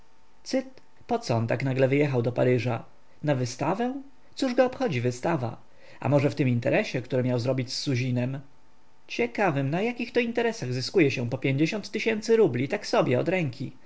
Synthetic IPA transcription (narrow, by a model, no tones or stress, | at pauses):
t̪sɘt̪ | pɔt̪sɔɔnt̪aknaɡlɛvɘjɛxawd̪ɔpaɾɘʐa | navɘst̪avɛ | t̪suʐɡɔɔpxɔd͡ʑivɘst̪ava̰ | ʔa̰mɔʐɛft̪ɘmint̪ɛ̰ɾɛɕɛkt̪uɾɛmʲjawzɾɔbʲit͡ɕsːuʑinɛm | t͡ɕɛkavɘmnajakʲixt̪ɔint̪ɛɾɛsaɣzɘskujɛɕɛpɔpʲjeɲd͡ʑeɕɔnt̪ːɘɕɛnt̪sɘɾublʲit̪aksɔbʲjɛɔ̰d̪ɾɛŋkʲʰi